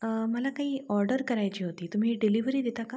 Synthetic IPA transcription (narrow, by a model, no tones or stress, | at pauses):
məlakaɦiːɔɾɖəɾkəɾajt͡ɕiːɦot̪iːt̪um̤iːɖiliʋəɾiːd̪et̪aka